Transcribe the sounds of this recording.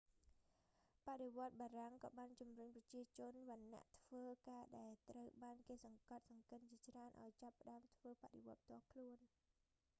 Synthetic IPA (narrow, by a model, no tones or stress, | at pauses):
paʔɗeʋŏət̪̚ɓaːraŋkɑ̰ːɓaːnt͡ɕumrʊɲprɑt͡ɕiət͡ɕʊ̆ənʋə̆nːa̰ʔt̪ʰʋəːkaːɗaɛlt̪rəwɓaːnkeːsɑŋkɑt̪̚sɑŋkɨnt͡ɕiət͡ɕraənʔa̰ɔjt͡ɕapːə̆ɗaəmt̪ʰʋəːpaʔɗeʋŏət̪̚p̚ʰt̪ŏəkʰluən